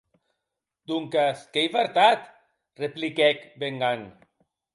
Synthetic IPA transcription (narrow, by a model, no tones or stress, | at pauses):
d̪uŋkaskejβaɾt̪at̪ | replikɛkbeŋɡaŋ